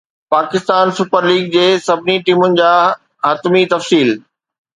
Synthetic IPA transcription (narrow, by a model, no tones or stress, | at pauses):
paːkɪst̪aːnsʊpəɾliːɡ̚d͡ʑeːsɐbʱɪniʈiːmʊnɪ̆d͡ʑaː | ɦɐt̪mit̪ɐfsiːl